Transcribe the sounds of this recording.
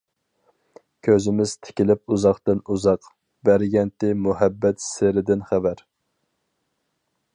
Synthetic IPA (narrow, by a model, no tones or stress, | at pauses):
kʲʰøzɪmɪzt̪ʰɪ̥kʲilɪp̚uzɑχt̪ɨnuzɑq | bæɾɡʲɛnt̪ɪmuhɛbːɛt̪seɾɪd̪ɪnχævæɾ